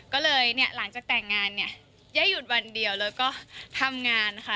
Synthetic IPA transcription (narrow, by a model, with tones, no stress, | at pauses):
kɔː˥˩lɤː˧jni˥˩əla˩˦ŋt͡ɕaː˨˩k̚t̪ɛː˨˩ŋːaː˧nːi˥˩ə | jaː˥˩jːu˨˩t̪̚wa˧ndi˧əwlɛː˦˥wkɔː˥˩t̪ʰa˧mŋaː˧nː˧˥xʰa˦˥